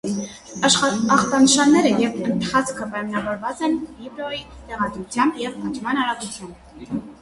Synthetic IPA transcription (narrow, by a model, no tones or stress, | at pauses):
ʃɑχt̪ɑnəʃɑnːɛɾəjɛvənt̪χɑt͡sʰkʰəpɑjmɑnɑvɔɾvɑt͡sɛnvibɾɔit̪ɛʁɑd̪ɾut͡sʰjɑmbjɛvɑt͡ʃʰmɑnɑɾɑɡut͡sʰjɑmb